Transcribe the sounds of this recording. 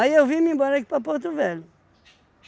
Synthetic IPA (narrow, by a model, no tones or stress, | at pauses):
ɐiewvimĩmbɔɾɐki̥pɐpoɾt̪uvɛlu